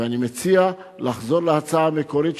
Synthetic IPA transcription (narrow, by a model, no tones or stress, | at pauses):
eanimet͡sia | laχzo̞ʁlehat͡saameko̞ɾit̪